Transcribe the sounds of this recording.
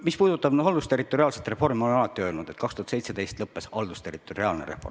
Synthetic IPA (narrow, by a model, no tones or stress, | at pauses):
mispuːd̪ut̪ːˑɑb̥nuɑld̪ust̪e̞rit̪ːˑo̞ɾiɑːlset̪re̞fo̞rmimo̞lenɑlɑt̪ːˑiø̞ːlnud̪̥e̞t̪kɑkst̪uhɑt̪sejt̪sed̪e̞jst̪lɤpːe̞sɑld̪ust̪e̞rit̪ːˑo̞ɾiɑːlneɾefo̞r